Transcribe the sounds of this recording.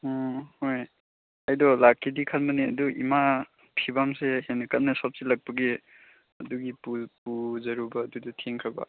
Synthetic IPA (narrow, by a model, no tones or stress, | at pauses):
hoj | ɐjdɔlakʰːidikʰatmɐneɐ̰duḭma | pʰibamsehenɐkɐt̚nɐsɔp̚silɐk̚pɐɡe | ɐduɡipupuzɐɾubɐːdudɐtʰeŋkʰɐbɐ̰